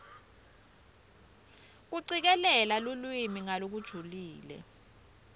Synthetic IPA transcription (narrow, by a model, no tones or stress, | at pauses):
k̬uǀik̬ɛlɛlalulwimiŋalok̬ud̥ʒ̥ʱuliːlɛ̰